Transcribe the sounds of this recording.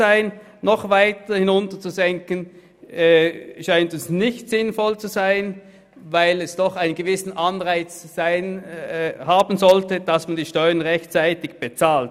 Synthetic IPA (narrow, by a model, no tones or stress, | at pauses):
aɪnː | ɔχvaɪtɐhɪnʊntɐt͡suzɛŋkənː | ʃaɪntʊnsnɪçtz̥ɪnfɔlt͡suzaɪn | vaɪlɛsd̥ɔχaɪnənɡ̥əvɪsn̩ʔanʁaɪt͡sz̥aɪn | haːbn̩zɔltəd̥asmandiːʃtɔʏɐənʁɛçtt͡saɪtɪçb̥et͡saːlt̚